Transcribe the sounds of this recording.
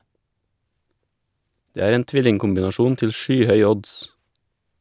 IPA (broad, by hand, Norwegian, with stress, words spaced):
ˈdeː ˈæːɾ ˈeːn ˈtʋɪlɪŋkʊmbɪnɑˌʃuːn ˈtɪl ˈʃyːˌhœʏ ˈɔds